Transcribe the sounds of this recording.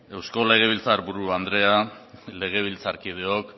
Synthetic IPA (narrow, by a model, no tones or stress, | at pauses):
e̞wsko̞le̞ɣ̞e̞β̞ilt͡saɾbuɾuand̪ɾe̞ale̞ɣ̞e̞β̞ilt͡saɾkið̞eo̞k